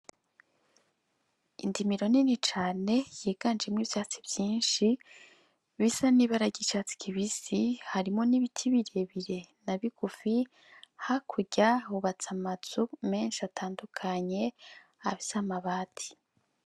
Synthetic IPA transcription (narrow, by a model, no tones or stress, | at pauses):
ḭndimiɾo̞ninit͡ʃaːne̞jiːɡ̥and͡ʒemŋiːβvjaːt͡si̥bjiːnʃi | βisaniβaɾaɟit͡ʃaːt͡si̥kʰiβisihaɾimo̞niβitʰiβiɾeβiɾe̞naβiɡ̥ufi | hakʰuɟauβat͡samaz̥ume̞ːnʃatʰaːndukʰaɲe̞ | aβisamaβaːtʰi̥